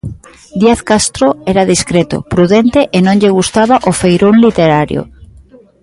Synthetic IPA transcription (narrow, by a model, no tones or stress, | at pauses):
d̪iaθkast̪ɾoɛɾaðiskɾet̪ʊ̰pɾuðent̪eʔenõŋʎeɣ̞ust̪aβaʔofejɾonlit̪eɾaɾjo̰